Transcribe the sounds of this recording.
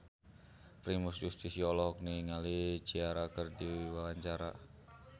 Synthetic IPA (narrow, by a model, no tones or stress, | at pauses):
pɾimusjust̪isiɔlɔɦɔk̚niŋali̥d͡ʒ̥iaɾakərdiwawaɲt͡ʃaɾa